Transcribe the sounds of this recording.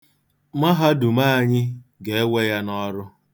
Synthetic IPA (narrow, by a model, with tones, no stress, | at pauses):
ma˦ɦa˦du˨ma˦a˦˨ɲɪ˦ɡe˨e˦we˦ja˦nɔ˦ɾʊ˦